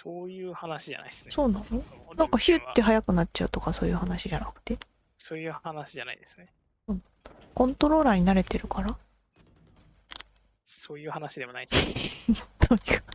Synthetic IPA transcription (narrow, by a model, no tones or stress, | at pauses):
soːjɯ̟ːhanaɕiʑa̰na̰isɨ̥so̞ːnãno̞nãŋkaçiɯt̪ːe̞ɦajakɯ̟nat̚t͡ɕaɯ̟t̪o̞kaso̞ːjɯ̟ːhanaɕiʑanakɯ̟̥t̪e̞ | soːjɯ̟ːhanaɕiʑana̰id̪esɨ̥ne | soːnãno | kõ̞nt̪o̞ɾo̞ːɾaːɲ̟inaɾe̞t̪e̞ɾɯ̟kʰaɾa | soːjɯ̟ːhanaɕid̪e̞monai | t̪ʰojɯ